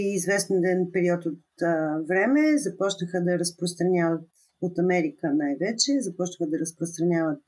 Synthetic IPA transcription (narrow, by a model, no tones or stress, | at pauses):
izvɛst̪ɛnd̪ɛnpɛɾiɔt̪ot̪vɾɛmɛzɐpɔt͡ʃnəxəd̪ɐɾəspɾost̪ɾɐnʲavət̪ | ot̪ɐmɛɾikənajvɛt͡ʃɛzɐpɔt͡ʃnəxəd̪ɐɾəspɾost̪ɾɐnʲjavət̪̚